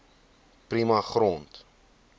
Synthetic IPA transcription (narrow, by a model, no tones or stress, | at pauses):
primɐχrɔnt